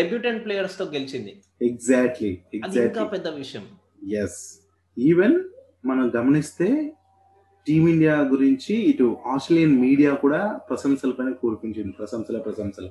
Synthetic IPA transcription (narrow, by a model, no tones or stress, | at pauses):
ɖebjuːʈeɳɖ̚pleːjɐɾst̪o̞ːɡelit͡ʃind̪i | eɡzaːk̚ʈlieɡɐd̪zaːkʈkaːpɛd̪ːɐʋiʂɐjɐm | jes | iːʋen | mɐnɐmɡɐmɐnist̪e̞ː | ʈiːmiɳɖijaːɡuɾiɲt͡ʃiːʈuaːsʈɾelijɐnmiːɽijaːkuːɽaːpɾɐsɐmsɐlɐpɐjnɐkoːɾupiɲt͡ʃind̪ipɾɐsɐmsɐlɐpɾɐsɐmsɐl